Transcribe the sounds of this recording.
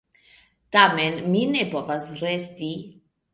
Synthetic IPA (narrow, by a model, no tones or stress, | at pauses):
t̪amɛnminepovasɾest̪i